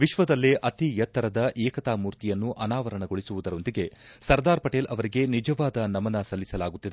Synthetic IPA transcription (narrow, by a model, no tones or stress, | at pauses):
ʋiʃʋɐd̪ɐlːeʔɐt̪ijɐt̪ːɐɾɐd̪ɐʔɛːkɐt̪aːmuːɾt̪ijɐnːuʔɐnaːʋɐɾɐɳɐɡoɭisuʋud̪ɐɾo̞nd̪iɡe̞sɐɾd̪aːɾpɐʈeːlɐʋɐɾiɡe̞nid͡ʒɐʋaːd̪ɐnɐmɐnɐsɐlːisɐlaːɡut̪ːid̪e